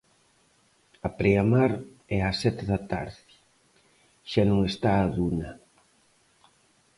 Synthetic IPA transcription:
apɾeamaɾ | ɛasɛt̪ɪðat̪a̰ɾðɪ | ʃanõŋest̪aːðunɐ

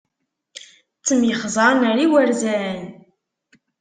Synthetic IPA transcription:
t͡sːəmjəχzˤɑˤnəɾiwəɾzæn

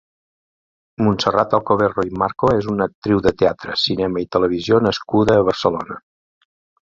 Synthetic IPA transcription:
munsərat̪əlˠkoβeroimaɾkoezunək̚t̪ɾiwðət̪eat̪ɾə̰sinɛməit̪ələβ̞izionəskuðəːβ̞əɾsəlonə

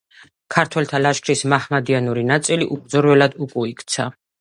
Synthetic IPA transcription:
kʰaɾt̪ʰwɛlt̪ʰalaʃkʰɾismaχmad̪ianuɾinat̪sʼiliʔuk̚d̪zɔɾwɛlad̪ukʼuikʰt̪sʰa

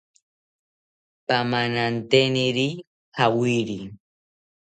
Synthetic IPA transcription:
pamanant̪eniɾi | xawiɾi

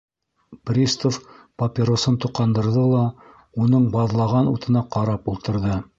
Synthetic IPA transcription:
prʲist̪of | pɐpʲɪɾosɤnt̪uqɑnd̪ɤ̆ɾðɤlˠɑ | unɤɴbɑðlˠɑʁɑnṵt̪ɤ̆nɑqɑɾɑpulˠt̪ɤ̆ɾðɤ

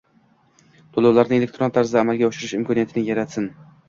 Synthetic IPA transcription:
t̪ʰolawlaɾnɪŋelek̚ʲt̪ʰɾo̞nt̪ʰaɾzd̪aːmalˠɡʲaʊʃɪɾɪʃɪmkʰɒnijat̪ʰɪnɪjaɾat̪sɪn

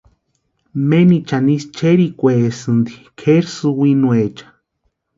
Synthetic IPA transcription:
menit͡ʃanist͡ʃeɾikʷesɨnd̪ikʰeɾsɨwinuet͡ʃḁ

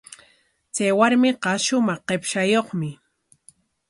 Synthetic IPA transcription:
t͡sajwaɾmɪqɑʃʊmɑχqepʃajoχmɪ

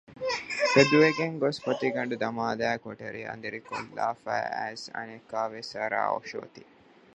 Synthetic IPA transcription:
kɐd̪uʋeɡeŋɡospɐt̪iɡɐɳɖud̪ɐmaːd̪æːkoʈɐɾiɐ̰nd̪eɾikolːaːfæ̰ːæzɐ̰nekːaːʋesɐɾa̰ːo̰ʃo̰ːt̪i̥

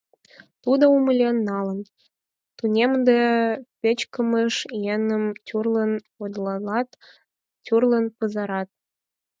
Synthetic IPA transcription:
t̪ud̪oumə̆lʲenːɑlə̆n | t̪unʲemd̪epʲĕt͡ɕkə̆məʃjenə̆mtʲurlə̆n | od̪lɑlɑt̪ | tʲurlə̆npɤ̆zɑɾɑt̪̚

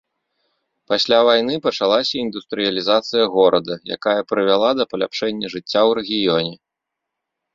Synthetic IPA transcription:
pasʲlʲavajnɨpɐt͡ʂalˠasʲɐind̪ust̪ɾɨjɐlʲizat̪sɨjɐɣɔɾʔɐd̪ɐja̰kajɐpɾɨvʲalˠad̪ɐpɐlʲapʂɛnʲːɐʐɨt͡sʲːawɾɛɣʲijɔnʲɛ

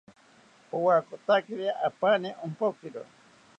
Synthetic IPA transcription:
powakot̪akeɾeʔapaneʔompokiɾo̰

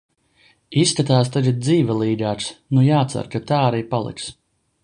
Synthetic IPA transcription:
isːkat̪aːst̪aɡat̪̚d̪ziːvʲɛlˠiːɡʲaːt̪snujaːt̪sa̰ɾkat̪aːaɾiːpalˠḭks

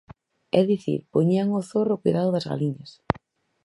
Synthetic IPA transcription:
ɛðiθḭɾpoɲiaŋʊθorʊkujðaðʊðazɣa̰liɲas

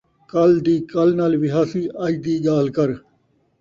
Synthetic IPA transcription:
kɐld̪iːkɐlnaːlʋɪɦaːsiːaːd͡ʒd̪iːɡaːlkɐɾ

